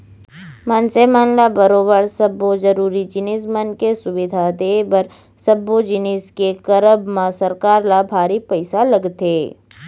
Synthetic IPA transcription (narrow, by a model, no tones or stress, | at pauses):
mãːnsemaːnlabɐɾoːbəɾsəbːozəɾuːɾid͡ʒɪnɪsmənkesʊʋɪd̪ʱad̪eːbəɾ | sɐbod͡ʒɪnɪskekəɾəbmãsɐɾkaːɾlabʱaːɾipɐɪsalɐɡt̪eː